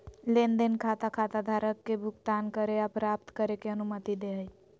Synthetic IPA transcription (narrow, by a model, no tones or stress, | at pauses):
lend̪enkʰat̪akʰat̪ad̪ʱaɾəkːebʱuɡt̪ankəɾeapɾap̚t̪kəɾekeənumət̪id̪eɦəj